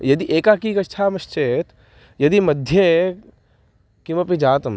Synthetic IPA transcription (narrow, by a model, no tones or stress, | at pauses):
jɐd̪iʔeːkakikɐtːʃʰaːmɐʃt͡ʃeːt̪ | jɐd̪imɐd̪ʱje | kimɐpid͡ʒaːt̪ɐm